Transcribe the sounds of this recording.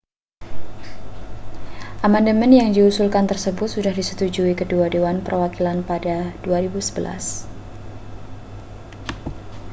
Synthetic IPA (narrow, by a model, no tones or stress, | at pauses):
ʔamandəmɛnjaŋdiusulkant̪ərsəbʊt̪̚sudahdisə̥t̪ud͡ʒuikəduadewanpərwakilanpadad̥uaɾibusə̥bəla̰s